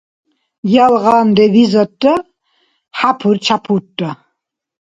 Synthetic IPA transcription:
jalʁandevizatʼːɐ | ħapʰuɾt͡ʃʰapʰutʼːa

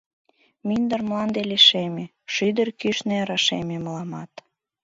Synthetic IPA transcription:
mynd̪ərmlɑnd̪eleʃemʲe | ʃyd̪ərkyʃneɾɑʃememəlɑmɑt̪

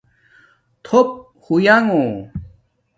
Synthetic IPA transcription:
t̪ʰop̚ | hujaŋõ

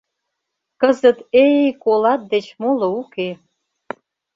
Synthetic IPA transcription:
kəzət̪eikolɑt̪̚d̪et͡ɕmoləuke

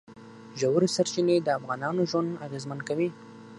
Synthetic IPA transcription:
ʒawɾisaɾt͡ʃined̪əafɣɑnɑnoʒwand̪aɣezmankawi

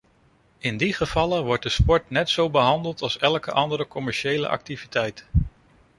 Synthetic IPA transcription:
ɪndiχəv̥ɑləʋɔɹt̚dəspɔɹtnɛtsowbəɦɑndəlˠtɑlˠsɛlˠkəʔɑndəɾəkɔmɛɹʃejlə̰ʔɑ̰k̚tivitɛjt

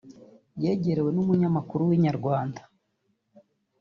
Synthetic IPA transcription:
je̞ːɟe̞ɾe̞we̞numuɲamakuɾuwiɲaɾɡwaːndḁ

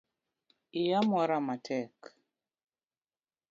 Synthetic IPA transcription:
ɪjamɔɾamatʰɛk

